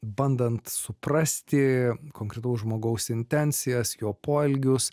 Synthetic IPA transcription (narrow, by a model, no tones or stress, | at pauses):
bɐnd̪ɐnt̪sʊprɐsʲt̪ʲɪkoːŋkɾʲɛt̪ɐʊsʒmoːɡɐʊsɪnʲt̪ʲɛnʲsʲɪjɛsjoːpoːɛlʲɡʲʊs